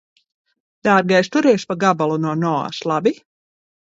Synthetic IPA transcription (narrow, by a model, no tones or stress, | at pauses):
d̪̥aːɾɡajst̪uɾɛɛʃpaɡabalˠunuɔnɔa̰ːslˠabi